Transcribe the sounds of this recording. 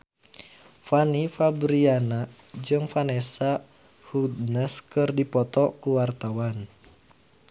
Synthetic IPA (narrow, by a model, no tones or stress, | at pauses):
fanifabɾiana | d͡ʒɨŋfanɛsa | hud̪nəskɨrdipɔt̪ɔkuwart̪awan